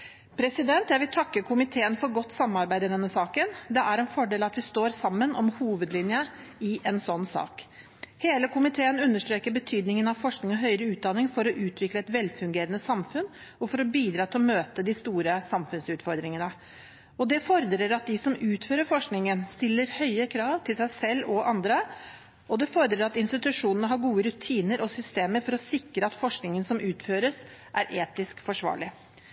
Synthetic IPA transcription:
pʰɾɛsɪd̪ɛnt̪jæɪʋɪlt̪ʰɑkːəkʰʊmɪt̪ʰeːənfɔɾɡɔt̪ːsɑmːɑɾbæɪd̪əd̪ɛnːəsɑːkənd̪ɛʔæɾɛnfɔɖeːlɑt̪ʋɪst̪oːɾsɑmːənɔmhuːʋəd̪lɪnjəɪʔɛnsɔnːsɑ̰ːk | heːləkʰʊmɪt̪ʰeːənʉnːəʂʈɾeːkəɾbət̪ʰyːd̪nɪŋənɑʋfɔʂknɪŋɔɦœʏɾəʉːt̪̚d̪ɑnːɪŋfɔɾɔʔʉːt̪ʰʋɪkləɛt̪ʋɛlfʉŋɡeːɾənəsɑmfʉn | ɔfɔɾɔbiːd̪ɾɑːt̪ʰɪlɔmøːt̪əd̪ɪst̪uːɾəsɑmfʉnsʉːt̪fɔɾd̪ɾɪŋənə | ɔd̪ɛfɔɾd̪ɾəɾɑt̪̚d̪ɪsɔmʉːt̪føːɾəɾfɔʂknɪŋənst̪ɪlːəɾhœʏəkʰɾɑːʋt̪ʰɪlsæɪsɛlːɔʔɑnd̪ɾə | ʔɔd̪ɛfɔɾd̪ɾəɾɑt̪ɪnst̪ɪt̪ʉʂuːnənəɦɑɾɡuːəɾʉt̪ʰiːnəɾɔsʏst̪eːməɾfɔɾɔsɪkɾəɑt̪fɔʂknɪŋənsɔmʔʉːt̪føːɾəs | ʔæɾʔeːt̪ɪskfɔʂʋɑ̰ːɭɪ

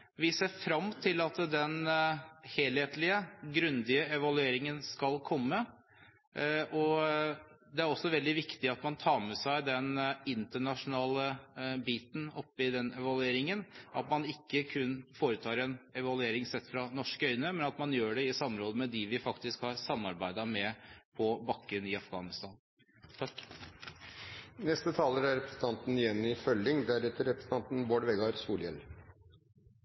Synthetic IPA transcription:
ʋɪseːɾfɾɑmt̪ʰɪlɑt̪d̪ɛn | heːlheːt̪lɪəɡɾʉnd̪ɪəɛʋɑlʉeːɾɪŋənskɑlkʰɔmːə | ʔɔ | d̪ɛæɾɔsːɔʋɛld̪ɪʋɪkt̪ɪɑt̪mɑnt̪ʰɑːɾmɛsæɪd̪ɛnɪnt̪əɳɑʂʊnɑːləbiːt̪n̩ɔpːɪd̪ɛnɛʋɑlʉeːɾɪŋənʔɑ̰t̪mɑnɪkːəkʰʉnːfoːɾət̪ʰɑːɾɛnɛʋɑlʉeːɾɪŋsɛt̪ːfɾɑnɔʂkœʏnəmɛnɑt̪mɑnjøːɖɛɪsɑmɾoːd̪əmɛd̪ɪʋɪfɑkt̪ɪskhɑɾsɑmːɑɾbæɪd̪ɑmɛpʰɔbɑkːənɪɑfɡɑːnɪst̪ɑːn | nɛst̪ət̪ʰɑːləɾæɾɛpɾəsn̩t̪ʰɑnt̪n̩ɪjɛnːɪfœljɪŋd̪æɾɛt̪ːəɾɛpɾəsn̩ʰɑnt̪n̩boːɖʋɛɡɑɾsuːljɛ̰l

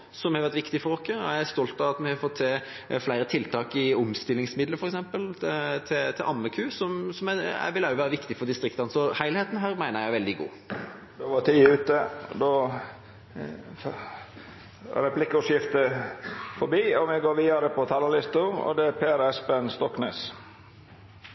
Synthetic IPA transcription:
sɔmhɑʋæɾt̪ʋɪkt̪ɪfɔɾɔkːəææst̪ɔlt̪ɑʋɑt̪mɛhɑfɔt̪ʰseː | flæɪɾət̪ʰɪlt̪ʰɑːkɪʊmst̪ɪlːɪŋsmɪd̪ləɾfɔɾɛksɛmpəlt̪ʰɪt̪ʰɪʔɑmːəkʰʉːsɔmsɔmɛæ̰ʋɪlːɑjʊʋæːɾəʋɪkt̪ɪfɔd̪ɪst̪ɾɪkt̪ɑnəsɔhæɪlheːt̪n̩ɦæːɾmæɪnəɾjæɪʋɛld̪ɪɡṵː | d̪ɛʋɑt̪ʰiːʉːt̪əd̪o | ɾɛpʰlɪkːʊʂjɪft̪ə | fɔɾbiːɔmɛɡoːɾʋiːɑɾəpʰɔt̪ʰɑləlɪst̪əʊmɔ̰d̪ɛæpʰeːæɾɛspenst̪ɔkːneːs

